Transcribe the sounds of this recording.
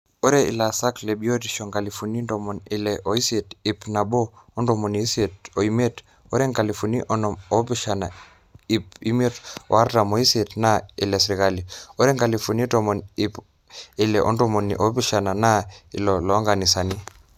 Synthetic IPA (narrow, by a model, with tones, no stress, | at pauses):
o˦ɾɛ˦ḭ˨la˨sa˦kle˨ɓi˦o˦tiʃɔ˨ŋɡa˨li˨fu˨ni˦ndɔ˨mɔ˨ni˨lɛʔɔ˨i˦setipna˨ɓo˦ɔ˦ndɔ˨mo˨ni˨i˦se˨to˨i˦me˦t | ɔ˦ɾɛ˦ŋka˨li˨funi˦ʔɔ˦nɔmɔ˨piʃana̰˨ | i˨pi˦me˦tɔ̰˨a˦ɾta˨mɔ˨i˦se˨tnaḭ˨lɛ˨sɾi˨ka˦li˨ɔ˦ɾɛ˦ŋɡa˨lifu˨n˦tɔmɔ˨nip | i˨lɛ˨ʔɔ̰˦ndɔmo˨nḭʔɔpi˦ʃa˨na˨na˦ḭ˨lɔ˨lɔ˦ŋɡa˨ni˨sa˨ni˦